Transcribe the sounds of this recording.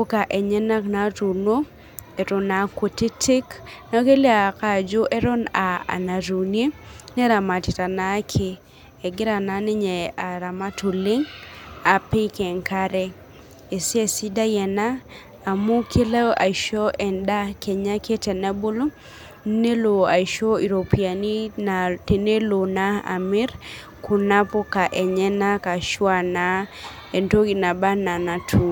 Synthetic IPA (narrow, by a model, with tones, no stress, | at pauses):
o˦ka˨ʔe˨ɲɛ˦na˦kna˨˦tu˨no˦ | e˨ɾo˨na˨kwo˨te˦tʰi˦kna˦ke˦le˦a˨ka˨d͡ʒo˦ʔe˦ɾɔ˦na˨a̰˨na˨ɾu˨nje˦nɛ˦ɾa˨ma˨tɪ˨ta˨na˨˦kʰɪ˨ | e˨ɡɪ˦ɾa˨na˦nɪ˦ɲɛ˨a˨ɾa˨ma˦tʰu˨lɪ˦ŋa˨pɪ˦kɛ˨ŋka˦ɾɛ˦ | e˨se˦si˦da˦jɛ˨naː˦˨ | mu˦kʰe˦la˦ʔa̰˨i˨ʃɔ˦ʔɛ˨nda˦kʰɛ˨ɲa˦kʰe˦tɛ˨na˦bo˦lo˦ | ne˦lo˨a˨i˨ʃo˦i˨ɾo˨pi˨a˨ni˦nate˨ne˦lo˨na˦a̰˨mi˦ɾ | kʰu˨na˦po˦ka˨ʔɛ˨ɲɛ˦na˦ka˨ʃwa˨na˦ | e˨nto˦ɡi˨na˨ba˦na˨na˨tʰu˨